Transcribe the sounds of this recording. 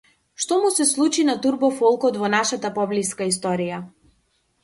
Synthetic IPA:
ʃt̪ɔmusɛslˠut͡ʃinat̪uɾbɔfɔlˠkɔt̪vɔnaʃat̪apɔbliskais̬t̪ɔɾija

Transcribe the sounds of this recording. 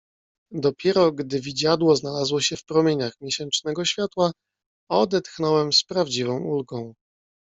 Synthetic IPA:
d̪ɔpʲjɛɾɔɡd̪ɘvʲid͡ʑad̪wɔznalazwɔɕɛfpɾɔmʲjeɲaxmʲjeɕɛnt͡ʂnɛɡɔɕfʲjat̪wa | ɔd̪ɛt̪xnɔwɛmspɾavd͡ʑivɔ̃w̃ulɡɔ̃w̃

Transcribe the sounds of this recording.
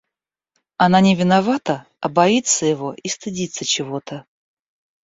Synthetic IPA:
ɐnanʲɪvʲɪnavat̪ə | ɐbɐit̪sːəjɪvo̞ʔist̪ɨdʲit̪sːət͡ɕɪvo̞t̪ə

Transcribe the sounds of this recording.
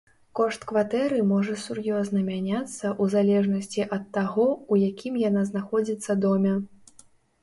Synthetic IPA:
kɔʂt̪kvat̪ɛɾɨmɔʐɐsurjɔznɐmʲanʲat̪sːɐʔuzalʲɛʐnɐsʲt͡sʲiʔɐt̪ːaɣɔujakʲʰimjanaznaxɔd͡zʲit̪sːɐd̪ɔmʲɐ

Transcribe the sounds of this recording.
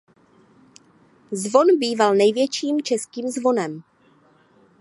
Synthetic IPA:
zvo̞nbiːvalnɛjvjɛt͡ʃiːmt͡ʃɛskiːmzvo̞nɛm

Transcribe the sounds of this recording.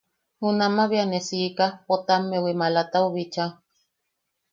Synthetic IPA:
hunamaβianesiʔkapot̪amːewimalat̪auβit͡ʃa

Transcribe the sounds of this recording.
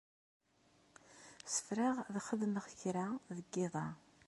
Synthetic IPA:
sə̥fɾaʁðχəðməʁçɾaðəɡːɪðˤɑ

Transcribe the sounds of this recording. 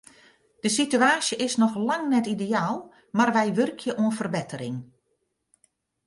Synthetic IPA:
d̥əsityaːsjəʔɪsnɔxlaŋnɛtidejaːlˠ | marʋɛjʋørkʰjəʔuənfərbɛtəɾɪŋ

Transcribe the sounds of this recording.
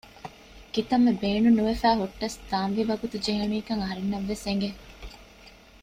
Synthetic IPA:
kit̪ɐmːebeːɳunuʋefæːɦuʈːɐsd̪aːnʋiʋɐɡut̪ud͡ʒeɦenuiːkɐŋɐɦɐɾenːɐʋːeseŋɡe

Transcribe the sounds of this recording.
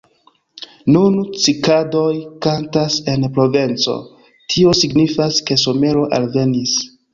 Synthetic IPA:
nunt͡sikado̞jkantase̞npɾo̞ve̞nt͡so̞̰ | tʰio̞siɡnifaske̞so̞me̞ɾo̞ʔalve̞nis

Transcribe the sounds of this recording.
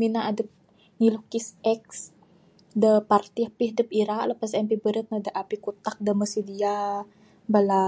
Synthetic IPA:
minaadəp̚ | ŋilukisɛks | dəpart̪iahpiɦdəp̚iɾaʔləpas̬ɛmpibəɾət̪̚nədəʔapikut̪ak̚dəməsidia | bala

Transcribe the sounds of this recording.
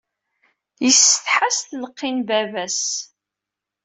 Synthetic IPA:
jəsθħasθləqːinbævæs

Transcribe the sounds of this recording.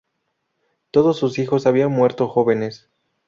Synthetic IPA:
t̪o̞ðo̞sːusixo̞saβianmwe̞ɾt̪o̞xo̞βe̞ne̞s

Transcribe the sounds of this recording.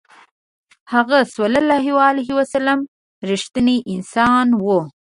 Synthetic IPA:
haɣaswalalːɑɦiwaalaɦiwasalam | ɾiʃt̪əneʔɪnsɑnwo

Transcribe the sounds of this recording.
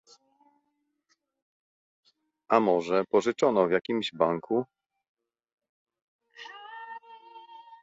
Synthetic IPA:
ʔamɔʐɛpɔʐɘt͡ʂɔnɔvjakʲimʑbaŋku

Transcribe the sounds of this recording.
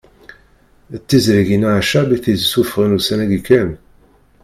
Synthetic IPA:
t̪ːizɾiʝinaʕaʃæbiθizsufʁənusænæɡikæm

